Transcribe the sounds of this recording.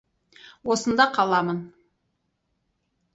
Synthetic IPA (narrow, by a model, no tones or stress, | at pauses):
wo̞sənd̪ɑqʰɑlˠɑmən